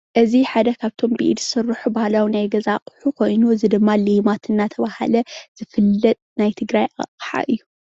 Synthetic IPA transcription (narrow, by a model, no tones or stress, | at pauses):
ʔɨziħad̪ɐkʰaβt̪ʰo̞mbḭʔḭd̪zɨsɨrːɨħubahlawnajɡɐzaqʼħukʰo̞jnuɨzɨd̪ɨmːalimat̪ʰɨnːat̪ʰɐβaha̰lɐz̥ɨfɨlːɐt̪ʼnajt̪ʰɨɡɾajʔa̰qʼħa̰ʔɨjːu